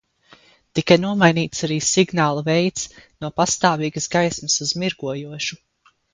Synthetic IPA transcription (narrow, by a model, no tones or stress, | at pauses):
t̪ikajnuɔmajniːt̪saɾiːsiɡnaːlˠuvɛjt̪snuɔpast̪aːviːɡəsɡajsmɐsuzmiɾɡuɔjuɔʃu